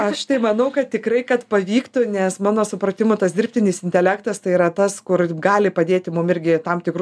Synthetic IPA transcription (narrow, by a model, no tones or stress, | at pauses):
ɐʃt̪ɐɪmɐnɐʊkɐt̪tʲɪkɾɐɪkɐt̪pɐʋʲiːkt̪ʊnʲɛsmɑːnoːsʊpɾɐt̪ʲɪmʊt̪ɐsd̪ʲɪɾrʲpʲt̪ʲɪnʲɪsɪnʲt̪ʲɛlʲækt̪ɐst̪ɐɪiɾɐt̪ɐskʊrɡɑːlʲɪpɐd̪ʲeːt̪ʲɪmʊmɪɾʲɡʲɪt̪ɐmt̪ʲɪkɾu